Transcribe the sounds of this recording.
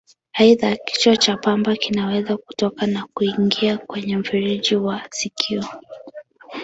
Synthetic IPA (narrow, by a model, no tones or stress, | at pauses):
aiðaki̥t͡ʃɔt͡ʃapambakinawɛzaku̥tɔkanakuiŋɡiakwɛɲɛm̩fiɾiʄiwasikʰiɔ